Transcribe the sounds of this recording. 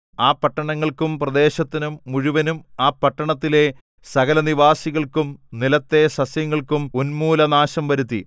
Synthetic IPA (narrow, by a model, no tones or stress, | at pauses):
aːpːɐʈːɐɳɐŋːɐɭkumprɐd̪e̞ːɕɐt̪ːinumːuɻuʋɐnumaːpɐʈːɐɳɐt̪ːile̞ | sɐɣɐlɐniʋaːsiɣɐɭkumnilɐt̪ːe̞sɐsjɐŋːɐɭkumunmuːlɐnaːɕɐmʋɐɾut̪ːḭ